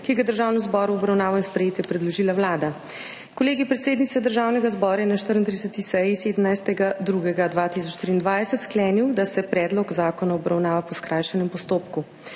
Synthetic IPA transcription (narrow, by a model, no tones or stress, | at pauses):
kijɛɡad̪əɾʒaːwnɔzbɔɾuɔbɾawnaːʋajspɾɛjeːt̪jɛpɾɛd̪lɔʒiːlawlaːd̪a | kɔleːɡipɾɛt̪seːd̪nit̪sɛd̪əɾʒaːwnɛɡazbɔːɾajɛnaʃt̪əɾnt̪ɾisət̪isɛjiseːd̪əmnajst̪ɛɡad̪ɾuɡɛɡad̪ʋat̪is̬ɔt͡ʃːt̪ɾiːnd̪ʋaːjsɛt̪sklɛniwd̪asɛpɾɛːd̪lɔkzaːkɔnaɔbɾawnaːʋapɔskɾaːjʃɛnɛmpɔst̪oːpku